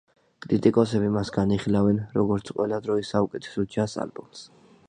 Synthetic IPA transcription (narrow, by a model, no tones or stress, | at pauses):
kʼɾit̪ʼikʼɔsɛbimasɡaniχilavɛnɾɔɡɔɾt̪sʰqʼwɛlad̪ɾɔisaukʼɛt̪ʰɛ̥sɔt͡ʃʰasa̰lbums